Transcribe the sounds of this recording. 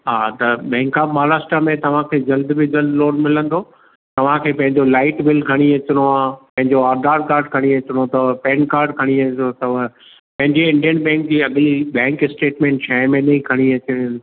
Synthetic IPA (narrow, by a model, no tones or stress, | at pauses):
ɦaːt̪ɐbɛ̃ːŋkaːmaːɾaːsʈɾamẽt̪ɐʋ̤ãkʰeːd͡ʑɐld̪bɪd͡ʑɐld̪loːɽmɪlə̃nd̪ʰoː | t̪ɐʋ̤ãkʰeːpɐ̃ɦɪ̃ɲd͡ʑolaːɪʈbɪlkʰɐɽ̃iʋet͡ɕɪɽ̃oaːpɐ̃ɦɪ̃ɲd͡ʑoaːɾd̪aːɾkaːɾɖkʰɐɽ̃iʋet͡ɕɪɽ̃ot̪ɐʋpɛ̃ːnkaːɾɖkʰɐɽ̃iʋeot̪ɐʋ | pɐ̃ɦɪ̃ɲd͡ʑeɪ̃ɳɖijənbɛ̃ːŋk̚d͡ʑiːɐɡliɓɛ̃ːŋkɪsʈeːʈmɛ̃ːɳʈʃʰaːɪ̃mẽnɐĩkʰɐɽ̃iɐt͡ɕɪɽn